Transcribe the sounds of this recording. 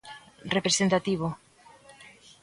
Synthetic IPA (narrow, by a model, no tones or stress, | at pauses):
repɾesent̪at̪iβ̞o